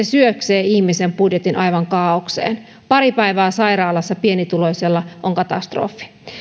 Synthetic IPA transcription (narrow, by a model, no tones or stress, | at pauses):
esyøkseːihmisempudjet̪inʔɑjʋɑŋkɑːoksḛːn | pɑɾipæiʋæːsɑiɾɑːlɑsːɑpienit̪ulo̞jselːɑʔoŋkɑt̪ɑ̰st̪ro̰ːfːi̥